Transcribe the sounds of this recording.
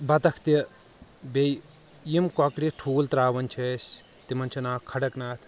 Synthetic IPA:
bɐt̪ɐkʰt̪i | bej | jimkɔkɽiʈʰuːlt̪ɾaːʋɐnʲt͡ʃʰes | t̪imɐnʲt͡ʃʰunaːkʰːɐɽɐknaːt̪ʰ

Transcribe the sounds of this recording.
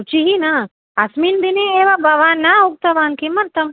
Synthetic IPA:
ut͡ʃiɦina | asminbineeːʋabɐʋaːnːaʊk̚t̪ɐʋaːnkimɐɾt̪ɐm

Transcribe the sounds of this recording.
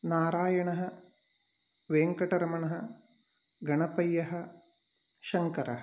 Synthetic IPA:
naːɾaːjɐɳɐɦɐ | ʋeːŋkɐʈɐɾɐmɐɳɐɦɐ | ɡɐɳɐpɐjːɐɦɐ | ʃɐŋkɐɾɐɦɐ

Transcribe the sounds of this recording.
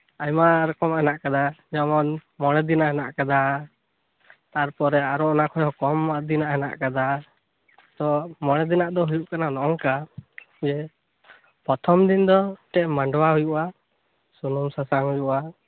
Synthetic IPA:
ajmaɾɔkɔmɛnaʔkad̪aɲɔmɔnmɔɽ̃ɛd̪inaɦɛnaʔkad̪a | t̪aɾpɔɾɛaɾɔʔnakʰɔjɔkɔmːaʔd̪inaʔɦɛna̰ʔkad̪a | t̪ɔmɔɽ̃ɛd̪inaʔd̪ɔɦujuʔkananɔʔɔŋka | d͡ʒɛ | pɔt̪ʰɔmd̪ind̪ɔʈɛʔmaɳɖwaɦujuʔa | sunumsasaŋɦujuʔa

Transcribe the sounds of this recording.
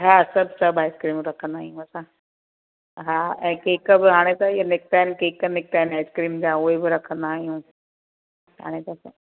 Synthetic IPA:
ɦasɐbʱsɐbaːɪskɾiːmɾɐkʰə̃nd̪aːɦijũɐsã | ɦaːɛ̃ːkeːkəbɪɦaːɽ̃et̪ɐijanɪkt̪aːɪnɪkeːkənɪk̚t̪aːɦɪnaːɪskɾiːmd͡ʑãuɦebɪɾɐkʰə̃nd̪aːɦijũ | ɦa̰ːɽ̃et̪ɐs

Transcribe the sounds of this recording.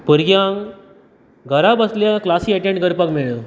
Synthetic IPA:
pəɾɡjaŋɡ | ɡʱəɾabəsljaklasiɛʈẽɳʈɡəɾpəkmeɭə

